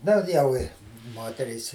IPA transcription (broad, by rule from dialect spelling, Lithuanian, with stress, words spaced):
ˈdɐr jɛʊ ˈɪ ˈmoːtʲɛrʲiːs